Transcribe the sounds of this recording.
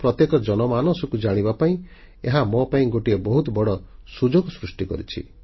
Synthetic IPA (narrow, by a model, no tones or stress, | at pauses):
pɾɔt̪jekɔd͡ʒɔnɔmanɔsɔkud͡ʒaɽ̃ibapaĩ | eɦamɔpaĩɡoʈiebɔɦut̪ɔbɔɽɔsud͡ʒoɡɔsɾusʈikɔ̰ɾit͡ʃʰḭ